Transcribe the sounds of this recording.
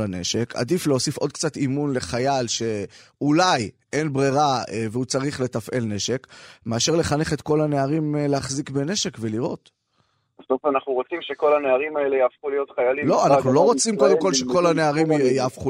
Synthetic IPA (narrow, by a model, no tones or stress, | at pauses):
ane̞̰ʃe̞kʰa̰d̪ifleo̞sifʔo̞d̪̚kt͡sat̪imunle̞χajalʃe̞ʔulaj | ʔe̞nbʁiʁaeveut͡saʁiχle̞t̪afʔe̞lne̞ʃe̞kme̞aʃe̞ʁle̞χane̞χet̪ko̞lane̞aʁimleaχzikbene̞ʃe̞kve̞liʁo̞̰t̪ | ast̪ofanaχnuʁot͡simʃeko̞laneaʁimaelejaːfχulijo̞t̪χajalilo̞anaχnulo̞ʁot͡simko̞d̪emko̞lʃeko̞lane̞aʁimjaːfχu